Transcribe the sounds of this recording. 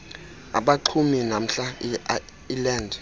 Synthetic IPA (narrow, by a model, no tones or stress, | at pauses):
a̰ɓaǃʰuminam̩ɬa | ilɛːndʱ